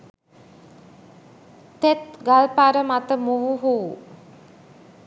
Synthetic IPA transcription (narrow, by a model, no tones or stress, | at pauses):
t̪et̪ɡalpaɾəmat̪əmuɦuɦuʋu